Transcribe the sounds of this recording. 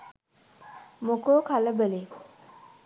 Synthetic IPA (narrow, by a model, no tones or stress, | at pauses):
mokoːkʰaləbəle